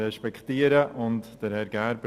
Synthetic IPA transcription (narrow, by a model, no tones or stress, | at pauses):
ɛʃpɛkχtiːəɾəʔʊntd̥əɾhɛɾɡæːɾb